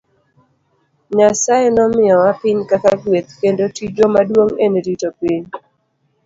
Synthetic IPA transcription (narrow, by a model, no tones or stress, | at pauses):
ɲasaenɔmɪɔwapɪɲkakaɡwet̪̚kendotid͡ʒomadwoŋeneditopiɲ